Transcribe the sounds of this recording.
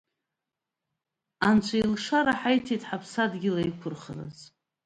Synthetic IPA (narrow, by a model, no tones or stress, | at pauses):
ant͡ʃʷʰailʂaɾaħajtʰitʰʼħapʰsadɡʲɪlaikʷʰʊrχə̰la̰z